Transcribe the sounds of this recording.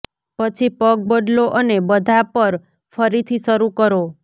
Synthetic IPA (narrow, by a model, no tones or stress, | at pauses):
pət͡ʃʰipək̚bəɖloʔənebəd̪ʱapəɾ | fʰəɾit̪ʰisəɾukəɾo